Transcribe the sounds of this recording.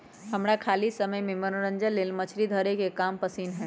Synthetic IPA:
ɦəmɾakʰaːlisəməjmẽmənoɾəɲd͡ʒəleːlmət͡ʃʰɾid̪ʱəɾekekaːmpəsinɦɛ̃ː

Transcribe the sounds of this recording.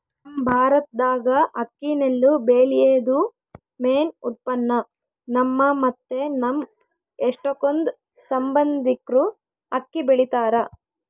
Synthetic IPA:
nɐmbʱaːɾɐt̪̚d̪aːɡɐɐkːinelːubeːlijeːd̪u | meːnut̪̚pɐnːɐ | nɐmːɐmɐt̪ːe̞nɐm | eʂʈokond̪ | sɐmbɐnd̪ikɾu | ɐkːibeɭit̪aːɾɐ

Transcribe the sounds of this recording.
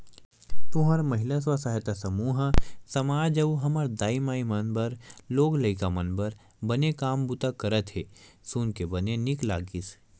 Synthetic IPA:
p̪uɦɐɾmɐɦɪlas̬wasaːɦet̪asɐmuːɦəsɐmaːd͡ʒɐwɦɐməɾd̪aːimaːimɐnbəɾloːɡlɐɪkamɐnbəɾ | bɐnekaːmbut̪akɐɾət̪ɦeː | suːnkebɐnenɪkla̰ːɡɪs

